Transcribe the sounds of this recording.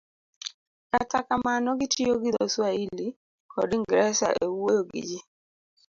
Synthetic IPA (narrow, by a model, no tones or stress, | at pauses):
katakamanɔɡɪtioɡɪd̪oswaili | kʰɔdɪŋɡɾɛsa̰ʔewojoɡḭd͡ʒi